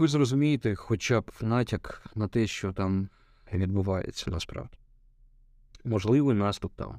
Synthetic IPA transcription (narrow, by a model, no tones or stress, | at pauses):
ʋɪzrɔzʊmʲijɪt̪exɔt͡ʃab̪nɑɪtʲɐknɐt̪ɛʃt͡ʃɔt̪ɑm | ʋʲid̪̚bʊʋɑjḛt͡sʲːɐnɐspɾɑ̰ʋdʲi̥ | mɔʒlˠɪʋɪjnɑst̪ʊp̚t̪ɑ̰m